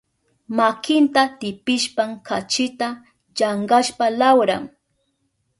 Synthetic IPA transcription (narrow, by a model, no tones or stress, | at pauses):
makɪnt̪at̪ɪpɪʃpaŋkʰat͡ʃɪt̪a | ʎaɴɢaʃpalawɾa̰ŋ